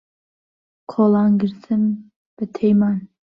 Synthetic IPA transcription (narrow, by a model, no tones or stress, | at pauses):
kʰolˠɑnɡɪɾt̪ʰɨm | b̥ɨt̪ʰejmɑn